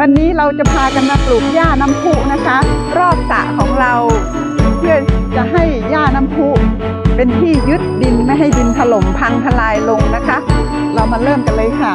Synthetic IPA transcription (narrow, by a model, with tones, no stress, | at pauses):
wa˧nːiː˦˥ɾa˧wt͡ɕa˨˩pʰaː˧ka˧nmaː˧pluː˨˩k̚jaː˥˩na˦˥mpʰuː˥˩na˦˥kʰa˦˥ | ɾɔː˥˩p̚sa̰˨˩kʰɔː˩˦ŋɾa˧w | pʰɯ˥˩ɐt͡ɕa˨˩ɦa˥˩jjaː˥˩na˦˥mpʰuː˦˥˩ | pe˧nt̪ʰiː˥˩jɯ˦˥t̪̚di˧nma˥˩jɦa˥˩jdi˧nt̪ʰa˧lo˩˦mpʰa˧ŋt̪ʰa˧laː˧jlo˧ŋna˦˥kʰa˦˥ | ɾa˧wmaː˧ɾɤː˥˩mka˧nlɤː˧jkʰa˥˩